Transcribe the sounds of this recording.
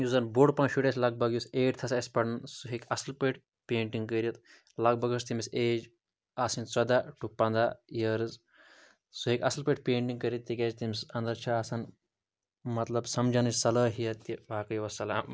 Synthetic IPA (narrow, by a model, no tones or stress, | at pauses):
juzɐnboɽpɐnʃuʈʲɐsʲlɐɡ̚bɐɡjuseːʈʲt̪ʰɐsɐsʲpɐɽnsuɦekʲɐslpəʈ | peːɳʈiŋɡkəɾit̪ | lɐk̚bɐɡɐst̪imiseːd͡ʒ | aːsint͡sɐd̪aʈupɐnd̪ajɐɾɨz | suekʲɐslpeʈpʲeːɳʈiŋɡkɐɾʲit̪ːikʲɐːd͡ʒt̪imisɐnd̪ɐɾt͡ʃʰɐaːsɐn | mɐt̪lɐbsɐmd͡ʒɐnɨsʲsɐlɐːɦijɐt̪ːiʋaːkɐjʋɐsɐlam